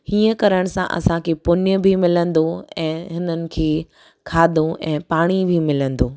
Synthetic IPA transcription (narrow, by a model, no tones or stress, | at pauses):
hiːə̃kɐɾəɽ̃sã̰ʔɐ̰sãkʰepʊnjəbʱimɪlə̃nd̪oɛ̃ːɦɪnənɪ̆kʰeː | kʰaːd̪ʱoʔɛ̃ːpaːɽ̃ibʱimɪlə̃nd̪oː